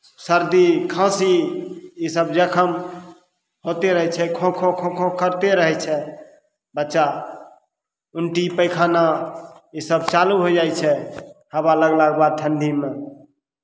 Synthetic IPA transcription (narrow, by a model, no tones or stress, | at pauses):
səɾd̪ikʰãsi | isəbd͡ʒəkʰəm | ɦot̪eɾəɦɛt͡ʃʰɛkʰõkʰõkʰõkʰõkəɾt̪eɾəɦɛt͡ʃʰɛ | bətːʃa | uɳʈipəjkʰanaisəb̚t͡ʃaluɦod͡ʒajt͡ʃʰɛhəβaləɡlaɡbad̪̚t̪ʰənd̪ʱime